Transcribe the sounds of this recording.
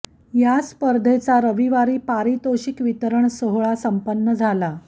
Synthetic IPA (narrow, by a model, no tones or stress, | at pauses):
jaspəɾd̪ʱet͡saɾəʋiʋaɾiːpaɾit̪oɕikʋit̪əɾəɳsoɦɭasəmpənːəd͡zʱala